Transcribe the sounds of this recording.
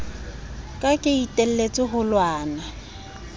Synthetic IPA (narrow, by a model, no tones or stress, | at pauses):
kʼakʼɪitʼel̩let͡sʼɪɦʊlwaːna